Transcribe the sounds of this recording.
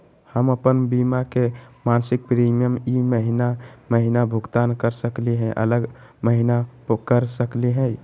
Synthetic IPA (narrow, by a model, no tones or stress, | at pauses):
həməpənbimakemansik̚pɾimijəmiməɦinaməɦinabʱuɡt̪ankəɾsəkliɦɛ̃ʔə̰ləɡ | məɦinakəɾsəkliɦɛ̃